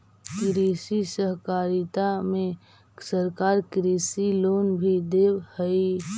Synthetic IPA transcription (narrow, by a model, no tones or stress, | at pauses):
kɪɾiːsisəɦkaːɾit̪amẽ | səɾkaːɾkɪɾiːsiloːnbʱid̪eːwhəi